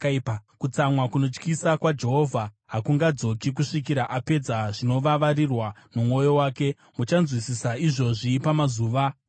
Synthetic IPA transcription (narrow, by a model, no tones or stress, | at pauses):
ipkut͡samwakuno̞t͡ʃkisakwad͡ʒe̞ɦo̞vʱa | ɦakuŋɡad͡zo̞kik̬uʂikiɾaʔape̞d͡zaʐino̞ʋaʋaɾirwamumwo̞jo̞waːke̞ | mut͡ʃanzwisisaiʐo̞ʐiːpamazuːʋa